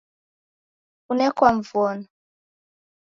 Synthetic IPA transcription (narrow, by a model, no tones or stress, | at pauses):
unɛkwaɱvuɔna